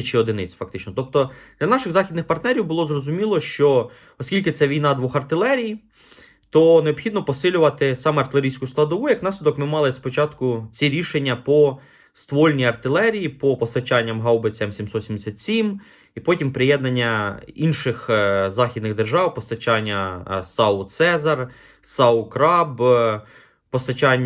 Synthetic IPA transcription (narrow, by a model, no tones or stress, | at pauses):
t͡ʃɪɔd̪ɪnɪt͡sʲfɐkt̪ɪt͡ʃnɔt̪ɔp̚t̪ɔd̪lʲɐnɑʃɪɣzɑxʲid̪nɪxpɐrt̪nɛɾʲiwbʊlˠɔzrɔzʊmʲilˠɔʃt͡ʃɔ | ɔsʲkʲilʲkɪt̪sɛʋʲijnɑd̪ʋɔxɐrt̪ɪlˠɛɾʲij | t̪ɔneɔpxʲid̪nɔpɔsɪlʲʊʋɐt̪ɪsɑmɛɐrt̪ɪlʲˠeɾʲijsʲkʊsklˠɐd̪ɔʋujɐknɑsʲlʲɪd̪ɔkmɪmɑlˠɪspɔt͡ʃɑt̪kʊt͡sʲiɾʲiʃenʲːɐpɔ | st̪ʋɔlʲnʲiɐrt̪ɪlˠɛɾʲijipɔpɔst̪ɐt͡ʃɑnʲːɐmɦɑwbet͡sʲɛmsʲimsɔt̪sʲimd̪esʲat̪ʲsʲim | ipɔtʲimpɾɪjɛd̪nɐnʲːɐinʃɪxzɑxʲid̪nɪɣd̪erʒɑwpɔst̪ɐt͡ʃɑnʲːɐsɑʊt̪sɛzɐr | sɑʊkɾɑb | pɔst̪ɐt͡ʃɑnʲː